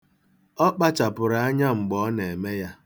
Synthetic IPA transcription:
ɔ˦k͡pa˦t͡ʃa˨pʊ˨ɾa˨a˦ɲa˦ŋ͡m̩˨ɡ͡bɔ˦ne˨me˦ja˦

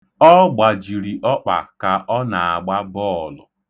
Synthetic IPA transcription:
ɔ˦ɡ͡ba˨d͡ʒi˨ɾi˨ʔɔ˦k͡pa̰˨ka˨ʔɔ˦na˨a˨ɡ͡ba˦bɔː˦˨lʊ̰˨

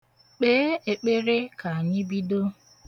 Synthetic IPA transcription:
k͡peː˦e˨k͡pe˦ɾe˦ka˨ɲɪ˦bi˦do˦

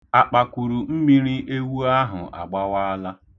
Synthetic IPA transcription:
a˨k͡pa˨ku˨ɾu˨m̩˦mi˦ɾi˦ʔe˦wu˦a˦ɦʊ̰˨ʔa̰˨ɡ͡ba˦wa˦la˦

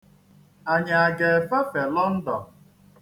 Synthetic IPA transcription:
a˨ɲa˨a˨ɡe˨fa˦fe˨lɔ˦n̩˦dɔ˨

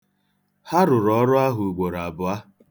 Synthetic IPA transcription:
ha˦ɾʊ˨ɾɔ˨˦ɾʊ˦a˦ɦʊ˨ɡ͡bo˨ɾa˨bʊ˨a˦

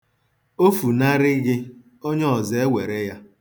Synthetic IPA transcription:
o˦fu˨na˦ɾɪ˦ɡɪ˦ | o˦ɲe˦ɔ˨ze˨e˦wʷe˨ɾe˦ja˦

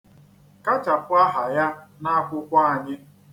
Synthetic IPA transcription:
ka˦t͡ʃa˨pʊ˦a˦ɦa˨ja˦na˦kʷʊ˦kʷa˦a˨ɲɪ˦

